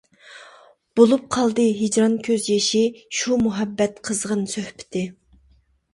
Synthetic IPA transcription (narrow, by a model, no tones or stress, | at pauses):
b̥olˠup̚qʰɑlˠd̪ɨɦid͡ʒɾɑnkʲʰøzjeʃiʃumuɦɛbːɛt̪qʰəzʁənsøhpɪ̥t̪ʰɪ